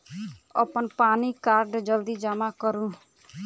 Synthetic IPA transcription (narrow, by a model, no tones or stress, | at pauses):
ə̰pənpanikaɾɖd͡ʒəld̪id͡ʒamakəɾũ